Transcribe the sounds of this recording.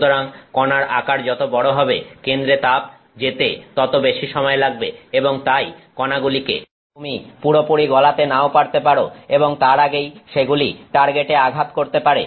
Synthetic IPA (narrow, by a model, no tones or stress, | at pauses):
t̪oɾaŋkɔnaɾakaɾd͡ʑɔt̪obɔɽoɦɔbekend̪ɾet̪ab̚ | d͡ʑet̪et̪ɔt̪obeʃiʃɔmɔelaɡ̚beeboŋt̪ajkɔnaɡulikḛ | umipuɽopoɽiɡɔlat̪enaopaɾt̪epaɽoeboŋt̪aɾaɡejʃeɡuliʈaɾɡeʈeaɡʱat̪koɾt̪epaɾe